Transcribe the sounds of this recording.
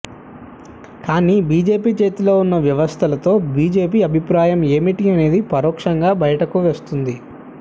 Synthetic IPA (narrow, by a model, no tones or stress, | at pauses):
kaːniːbiːd͡ʒe̞ːpiːt͡ʃe̞ːt̪ilo̞ːunːɐʋjɐʋɐst̪ʰɐlɐt̪o̞ːbiːd͡ʒe̞ːpiːɐbʱipɾaːjɐme̞ːmiʈiɐne̞ːd̪ipɐɾɔːkʂɐŋɡaːbɐjɐʈɐkuʋe̞ːst̪und̪i